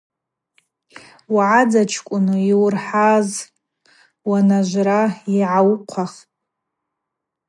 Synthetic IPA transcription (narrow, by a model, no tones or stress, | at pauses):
waʕad͡zat͡ʃʰkʷʼʊnɨiwrħaz | wanaʒʷraiʕawqʷʰaχʼ